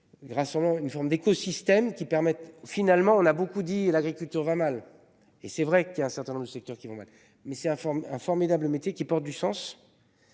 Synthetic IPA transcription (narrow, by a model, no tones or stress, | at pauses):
ʁasɑ̃blɑ̃ynfɔʁmd̪ekɔsist̪ɛmkʲipɛʁmɛt̪finalmɑ̃ɔ̃nabokud̪ilaɡʁikʲylt̪yʁvamal | esɛvʁɛkiljaɛ̃sɛʁt̪ɛ̃nɔ̃bʁd̪əsɛk̚t̪œʁkʲivɔ̃ma̰l | mɛsɛt̪ɛ̃fɔɛ̃fɔʁmid̪abləmet̪jekʲipɔʁt̪̚d̪ysɑ̃s